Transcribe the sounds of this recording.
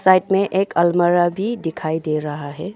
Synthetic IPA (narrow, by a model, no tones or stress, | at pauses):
saːɪʈmẽʔeːkɐlməɾabʱid̪ɪkʰaːid̪eːɾɐɦaɦɛː